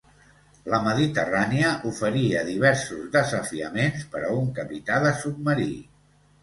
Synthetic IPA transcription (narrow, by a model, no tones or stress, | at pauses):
ləməðit̪əraniəʔufəɾiəðiβ̞ɛɾsuzðəzəfiəmenspəɾəuŋkəpit̪aðəsub̪̚məɾi